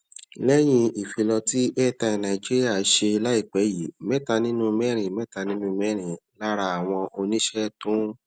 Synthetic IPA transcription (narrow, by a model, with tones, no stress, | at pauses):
lɛ˦j̃ĩ˧i˨fi˧lɔ˧ti˦ʔɛ˦˨ta˧i˧nã˨i˨d͡ʒi˦ɾi˦a˦˨˦ʃe˧i˧la˦i˦˨k͡pɛ˨˦ji˨˦mɛ˦ta˧nĩ˦nũ˦mɛ˦ɾ̃ĩ˨mɛ˦ta˧nĩ˦nũ˦mɛ˦ɾ̃ĩ˨la˦ɾa˧a˨w̃ɔ̃˧ʔo˧nĩ˦ʃɛ˦tũ˦